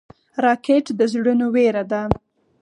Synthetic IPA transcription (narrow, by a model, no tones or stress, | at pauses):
ɾɑkeʈd̪əzɽənoweɾad̪a